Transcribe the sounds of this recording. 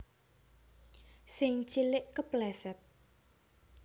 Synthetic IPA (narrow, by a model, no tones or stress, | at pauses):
sɪŋt͡ʃilɪʔkəplɛsɛt̪̚